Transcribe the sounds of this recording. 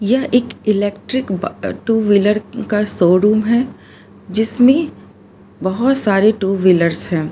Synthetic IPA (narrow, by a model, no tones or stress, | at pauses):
jɐɦʔeːkɪlɛːkʈɾɪkbʈuːʋɪləɾkasoːɾuːmɦɛː | d͡ʒɪsmẽ | bɐɦʊt̪saːɾeʈuːʋɪləɾshɛ̃ː